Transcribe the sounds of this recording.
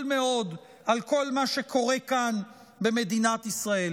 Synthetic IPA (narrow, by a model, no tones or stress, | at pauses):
lme̞o̞d̪ | ʔalko̞lmaʃe̞kʰo̞ʁe̞kan | be̞me̞d̪inat̪isʁae̞l